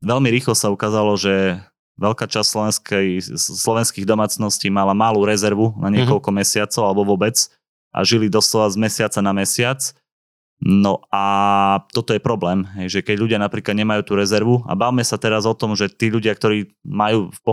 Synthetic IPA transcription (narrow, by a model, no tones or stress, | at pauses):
ʋɛlmiɾiːxlɔsaukaːzalɔʒɛ | ʋɛʎkaːt͡ʃasslɔɛskɛslɔʋɛnskiːɣd̪ɔmaːt͡snɔsciːmalamaluːɾɛzɛɾʋunaɲɪɛkɔʎkɔmɛsɪat͡sɔʊalɛbɔʋɔbɛt͡s | ʔa̰ʒilid̪ɔslɔʋazmɛsɪat͡sanamɛsɪat͡s | nɔʔat̪ɔt̪ɔjɛpɾɔblɛːmɦɛjʒɛkɛɟʎuɟɪanapɾiːklad̪ɲɛmajuːt̪uɾɛzɛɾʋua̰bawmɛsat̪ɛɾazɔt̪ɔmʒɛt̪iːʎuɟɪak̚t̪ɔɾiːmajuːfpɔ